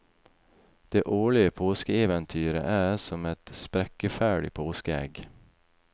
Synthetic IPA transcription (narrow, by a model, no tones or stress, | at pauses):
d̪̥eːʔoːɭɪəpʰoːskəeːʋɛnt̪ʰyːɾə̰ʔæːsɔmɛt̪spɾɛkəfæːɖɪ̰pʰoːskəɛ̰ɡ